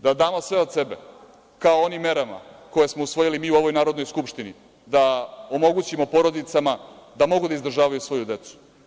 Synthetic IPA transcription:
d̪ad̪aːmo̞sʋeod̪se̞bḛ | kaoonimːe̞ɾama̰ko̞je̞smo̞usʋo̞jilimiːuo̞ʋo̞jnaːɾo̞d̪nojskupʃt̪ini | d̪aomo̞ɡut͡ɕimo̞po̞ɾo̞d̪it̪samad̪amo̞ɡud̪aizd̪r̩ʒaːʋajusʋo̞jud̪e̞t̪su̥

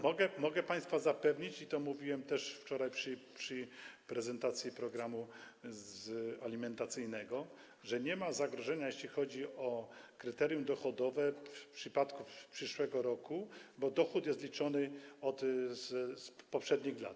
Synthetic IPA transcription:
mɔɡɛmɔɡɛpaj̃st̪fazapɛvɲit͡ɕit̪ɔmuvʲiwɛmt̪ɛʂft͡ʂɔɾajpʂpʂɘpɾɛzɛnt̪at̪sʲjipɾɔɡɾamu | zalʲimɛnt̪at̪sɘjnɛɡɔ | ʐɛɲɛmazaɡɾɔʐɛɲajeɕlʲixɔd͡ʑiɔkɾɘt̪ɛɾjumd̪ɔxɔd̪ɔvɛfpʂɘpat̪kufpʂɘʂwɛɡɔɾɔkubɔd̪ɔxut̪jɛst̪lʲit͡ʂɔnɘɔt̪zspɔpʂɛd̪ɲixla̰t̪

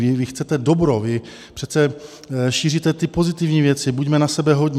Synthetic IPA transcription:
vɪvɪxt͡sɛt̪ɛdo̞bɾovɪ | pr̝̥ɛt̪t͡sɛ | ʃiːrit̪ɛt̪ɪpo̞zɪt̪ɪvɲiːvjɛt̪t͡sɪbuɟmɛnasɛbɛɦo̞dɲ

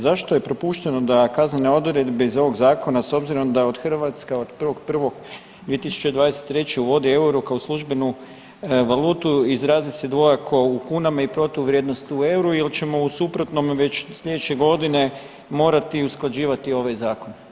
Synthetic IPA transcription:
zaʃt̪oje̞pɾo̞puʃt̪eno̞d̪akazneneo̞d̪uɾje̞d̪beizo̞ʋo̞ɡzaːko̞naso̞bziɾo̞md̪ao̞d̪xr̩ʋat̪skao̞d̪pr̩ʋo̞ɡpr̩ʋo̞ɡ | d̪ije̞t̪isu̥t͡ʃed̪ʋaːd̪eset̪ːɾe̞t͡ɕeuʋo̞d̪ie̞uɾukaoslˠuʒbe̞nu | ʋalˠuːt̪uizɾaːzise̞d̪ʋo̞jakʰo̞ukuːnamaipɾo̞t̪ouʋɾjed̪no̞st̪iue̞wɾuilt͡ɕe̞mo̞usupɾo̞t̪no̞mʋe̞t͡ɕsʎʲe̞d̪et͡ʃe̞ɡo̞d̪ine̞ | mo̞ːɾat̪iusklˠad͡ʒiːʋat̪io̞ʋajzaːko̞n

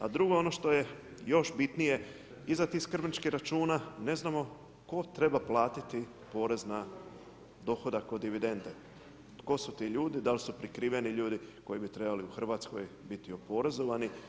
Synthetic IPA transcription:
ad̪ɾuɡo̞o̞no̞ʃt̪o̞je̞ | jo̞ʃbit̪nije̞ | izat̪iiskr̩bnit͡ʃkiɾat͡ʃuːnane̞znamo̞ | ko̞t̪ɾe̞baplˠaːt̪it̪i | po̞ːɾe̞zna | d̪o̞xo̞d̪ako̞d̪ːiʋid̪e̞nd̪e | t̪ko̞sut̪iʎuːd̪id̪alsupɾikɾiːʋe̞niʎuːd̪iko̞jibit̪ɾe̞baliuxr̩ʋat̪sko̞jbit̪iopo̞ɾezo̞ʋani

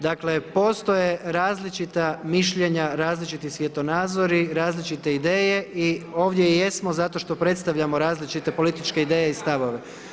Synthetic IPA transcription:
d̪akle̞po̞st̪oje̞ɾaːzlit͡ʃit̪amiʃʎeɲaɾaːzlit͡ʃit̪isʋjet̪o̞naːd̪zo̞ɾiɾaːzlit͡ʃit̪e̞id̪e̞ːje̞ʔio̞ːʋd̪jejesmo̞zat̪o̞ʃt̪o̞pɾe̞t̪st̪aʋʎʲamo̞ɾaːzlit͡ʃit̪e̞po̞lit̪it͡ʃkeid̪eːjeist̪aʋo̞ʋe̞

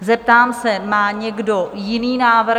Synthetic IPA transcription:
zɛp̚t̪aːmsɛmaːɲɛɡdo̞jɪniːnaːvr

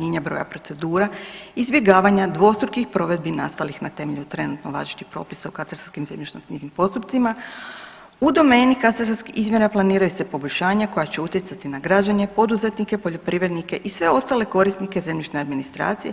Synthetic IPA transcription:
eɲabɾo̞̰ja̰pɾo̞t̪e̞d̪uːɾaizbje̞ɡaːʋaɲad̪ʋo̞st̪ɾukixpɾo̞ʋe̞d̪̚binast̪alixnat̪e̞meʎut̪ɾe̞nut̪noʋa̰ːʒiʃt̪ipɾo̞̰ːpisaukat̪aɾsaskimzemʎʲet͡ʃnot̪nizimpo̞st̪up̚t̪sima | ud̪o̞me̞ːnikat̪aɾsaskiizmje̞ɾaplˠaniːɾajuse̞po̞bo̞ʎʲʃaːɲako̞jat͡ɕe̞ut̪je̞t̪sat̪inaɡɾad͡ʒaɲe̞po̞d̪uze̞t̪nike̞po̞ʎo̞pɾiːʋɾe̞d̪nike̞ʔisʋe̞o̞st̪ale̞ko̞ɾisnike̞zemʎʲet͡ʃnead̪minist̪ɾa̰ːt̪sije

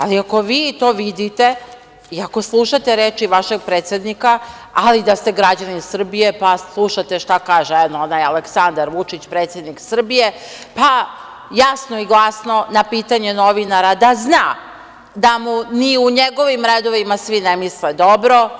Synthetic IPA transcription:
aliako̞ʋiːt̪o̞ːʋid̪it̪e̞ | iako̞slˠuʃat̪eɾeːt͡ʃiʋaʃe̞ɡ̚pɾeːt̪sjed̪nika | alid̪ast̪e̞ɡɾad͡ʑanisr̩bije̞paslˠuʃat̪eʃt̪akaːʒeɛnonajaleksand̪aɾʋut͡ʃit͡ɕpɾe̞ːt̪sjed̪niksr̩bije̞ | pa | jasnoiɡlˠasno̞napiːt̪aɲe̞noʋinaɾad̪aznaː | d̪amuniuɲeɡo̞ʋimɾed̪o̞ʋimasʋinemisled̪obɾo̞

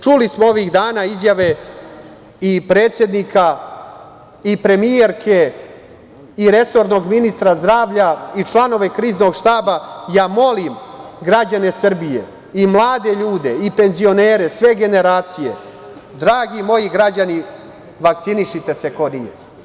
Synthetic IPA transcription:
t͡ʃulismoo̞ʋiːɣd̪aːnaːizjaʋe̞ | ipɾe̞ːt̪sje̞d̪nika | ipɾe̞mije̞ɾkʰe̞ | iɾe̞so̞ɾno̞ɡminist̪ɾazd̪ɾaːʋʎait͡ʃlˠano̞ʋe̞kɾiːzno̞ɡʃt̪aːbajaːmo̞limɡɾad͡ʑane̞sr̩bije̞ | imlˠaːd̪e̞ʎuːd̪e̞ipe̞nzio̞neːɾe̞sʋe̞ɡe̞ne̞ɾaːt̪sije̞̰ | d̪ɾaːɡimo̞jiɡɾad͡ʑani | ʋakt̪siniʃit̪e̞se̞ko̞nije

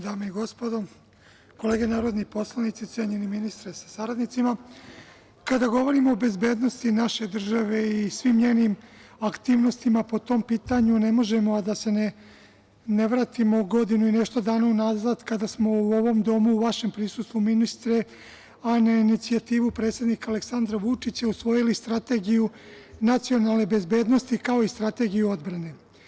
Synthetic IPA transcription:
d̪aːmeiɡo̞spod̪o̞ | ko̞le̞ːɡe̞naːɾo̞d̪nipo̞slˠanit̪sit̪sʲjeɲeniminist̪ɾesḁsaɾad̪nit̪sima | kad̪aɡo̞ʋo̞ɾimoːbe̞zbe̞ːd̪no̞st̪inaʃe̞d̪r̩ʒaʋe̞isʋimɲe̞ːnimakt̪iːʋno̞st̪imapo̞t̪o̞mpiːt̪aɲune̞mo̞ʒe̞mo̞ad̪ase̞ne | ne̞ʋɾaːt̪imoɡo̞d̪inuine̞ʃt̪od̪aːnaunaːzad̪kad̪asmo̞uo̞ʋo̞md̪o̞muːʋaʃe̞mpɾisust̪ʋuminist̪ɾe̞ | anainit̪siat̪iːʋupɾe̞t̪sje̞d̪nikale̞ksand̪ɾaʋut͡ʂit͡ɕausʋo̞jilist̪ɾat̪e̞ɡiju | nat̪sio̞nalˠne̞be̞zbe̞ːd̪no̞st̪ikao̞ist̪ɾat̪e̞ɡijuo̞d̪bɾane̞

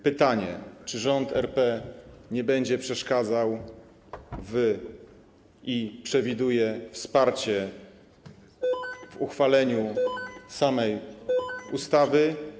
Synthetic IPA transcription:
pɘt̪aɲɛ̰t͡ʂɘʐɔnt̪ʰɛ̰ɾpɛɲɛbɛɲd͡ʑɛpʂɛʂkad̪zaw | vɘ | ipʂɛvʲid̪ujɛfspaɾt͡ɕɛ | vuxfalɛɲusamɛj | ust̪avɘ

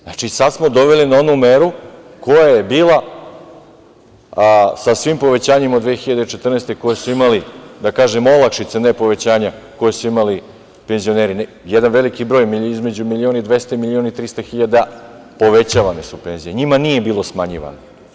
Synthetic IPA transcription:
nat͡ʃisad̪smo̞d̪o̞ʋelinao̞numeɾuko̞jajebiːlˠa | sasʋimpo̞ʋe̞t͡ɕaːɲemod̪ʋexiʎad̪et͡ʃet̪r̩nest̪e̞ko̞jesuimalid̪akaːʒemolˠakʃit̪senepo̞ʋe̞t͡ɕaːɲako̞jesuimali | pe̞nzio̞neːɾin | jed̪anʋe̞likibɾo̞ːjmiizme̞d͡ʑumilioːnid̪ʋe̞st̪aimilionait̪ɾist̪axiʎad̪a | po̞ʋe̞t͡ɕaːʋanesupe̞nzijeɲimanije̞biːlˠo̞smaɲḭʋa̰no

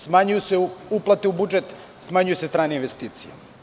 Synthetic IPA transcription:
smaɲujuseuuplˠat̪eubud͡ʒet̪ | smaɲujusest̪ɾaːneinʋest̪iːt̪sija

